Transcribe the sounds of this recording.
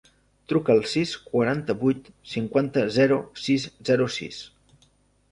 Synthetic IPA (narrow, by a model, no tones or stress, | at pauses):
t̪ɾukəːlˠsiskwaɾant̪əβujt̪siŋkwant̪əzɛɾusizzɛɾusḭs